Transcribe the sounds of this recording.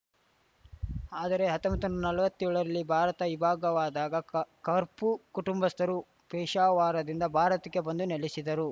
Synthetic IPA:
aːd̪ɐɾe̞ɦɐt̪ːɐmbɐt̪ɐnunɐlɐʋɐt̪ːjɔɭɐɾɐlːibʱaːɾɐt̪ɐʋibʱaːɡɐʋaːd̪aːɡɐkɐɾpukuʈumbɐst̪ʰɐɾu | pɛːʃaːʋaːɾɐd̪ind̪ɐbʱaːɾɐt̪ɐkːebɐnd̪unelisid̪ɐɾu

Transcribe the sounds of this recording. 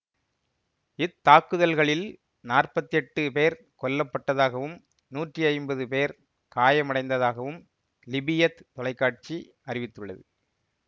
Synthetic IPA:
ɪt̪ːaːkːɯðɐlɣɐɭɪl | naːrpɐt̪ːɪɛʈːɯpeːɾ | kɔlːɐpːɐʈːɐðaːɣɐʋɯm | nuːʈriɐɪmbɐðɯpeːɾ | kaːjɐmɐɽɐɪnd̪ɐðaːɣɐʋɯm | lɪbɪjɐt̪t̪ːɔlɐɪkːaːʈ̚t͡ʃi | ɐrɪʋɪt̪ːɯɭːɐ̰ðɯ

